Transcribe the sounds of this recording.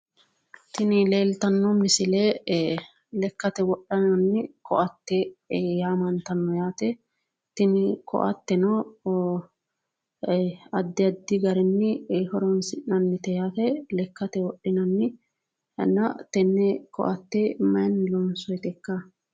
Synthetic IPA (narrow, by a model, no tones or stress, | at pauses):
t̪ɪnɪle̞ːlt̪ɐnːɔmɪsɪlɛ | lɛkːɐt̪ɛwɔɗːɐnɐnːɪkʰɔʔɐt̪ːɛjaːmɐnt̪ɐnːɔjaːt̪ɛ | t̪ɪnɪkɔ̰ʔɐ̰t̪ːɛnɔ | ɐd̪ːɪɐd̪ːɪɡɐɾɛnːɪhɔɾɔnsɪʔnɐnːɪt̪ɛjat̪ɛlɛkːɐt̪ɛwɔɗːɪnɐnːɪ | nɐt̪ɛnːɛkɔ̰ʔɐt̪ːɛmɐjnːlɔnsɔjt̪ɛkːɐ